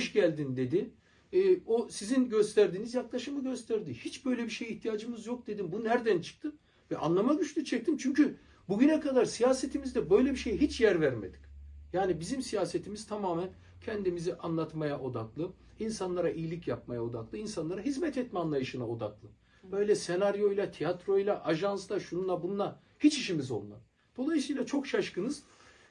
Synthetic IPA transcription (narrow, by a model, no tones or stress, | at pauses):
ʃɟælʲd̪ind̪e̞d̪i | ɛːosizinɟø̞st̪ʰæɾd̪iːnizjaklˠaʃɯmɯɟø̞st̪ʰæɾd̪ihit͡ʃbø̞jlʲɛbiʃejiht̪ʰijaːd͡ʒɯmɯzjo̞k̚d̪e̞d̪imbunnæɾd̪ænt͡ʃʰɯ̥k̚t̪ʰɯm | vɛʔa̰nlˠamaɟyt͡ʃlʲyt͡ʃʰɛc̚t̪imt͡ʃʰyɲcy | buɟynɛkʰad̪aɾsijaːset̪ʰimizd̪ɛbø̞jlʲɛbiʃe̞jɦit͡ʃjæɾvæɾme̞̰d̪i̥cjaːnibizimsijaːset̪ʰimiz̥t̪ʰamaːmæn | cʰɛnd̪imiziʔanlˠat̪majaʔo̞d̪aklˠɯ | insanlˠaɾaʔijilʲicjap̚majao̞d̪aklˠɯinsanlˠaɾaɦizmɛt̪ɛt̪mɛanlˠajɯʃɯnao̞d̪aklˠɯ | b̥ø̞jlʲɛse̞naɾjo̞jlˠat̪ʰijat̪ɾo̞jlˠaʔaʒanslˠaʃununˠabunnˠa | hit͡ʃiʃimizo̞lˠmˠa̰ | d̪̥o̞lˠajɯsɯːjlˠat͡ʃʰo̞kʃaʃkɯnɯz̥